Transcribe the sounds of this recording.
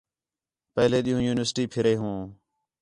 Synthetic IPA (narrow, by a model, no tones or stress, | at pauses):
pəɦleːɗ̪ɪjũːjuːnɪʋəɾsʈiːpʰɪɾeːɦũː